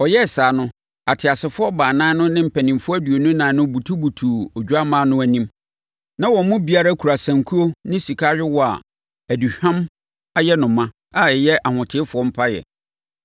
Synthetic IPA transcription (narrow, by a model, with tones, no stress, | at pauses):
ɔ˨jɛ˦˨saː˨nʊ̃˦ | a˨tʰɪ˨a˨sɪ˨fʊ˦ɔ˦baː˨nãː˦nʊ̃˦nɪ̃˦m̩˨pʰæ˨nĩ˨mfʊ˦æ˦du˨o˨nʊ̃˦nã˨˦nʊ̃˦bu˨tʰu˦bu˨tʰu˨o˨d͡ʑᶣu˦a˦mãː˦nʊ̃˦æ˨nĩ˦m | nã˦wɔ̃˨m˦mʊ̃˦bi˨a˦ɾa˦kʰu˨ɾa˨sã˨ŋkʰu˦o˦nɪ̃˦si˨kʰa˦ɥᶣɪ˦wɔ˨a̰˨ | æ˨du˨hᶣã˦m | a˦jɛ˦nʊ̃˨mːã˦ | a˨ɛ˨jɛ˦ʔa˨hʊ̃˨tʰɪ˨˦fʊ˨ɔ̃˦m̩˦pʰa˦jɛ̰˨